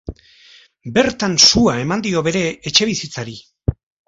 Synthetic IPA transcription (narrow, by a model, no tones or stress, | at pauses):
be̞ɾt̪ansuae̞mand̪io̞βe̞ɾe̞ːt͡ʃe̞β̞isit͡saɾi